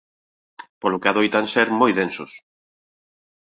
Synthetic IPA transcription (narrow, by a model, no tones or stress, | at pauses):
polʊkeaðojt̪anseɾmojðensʊs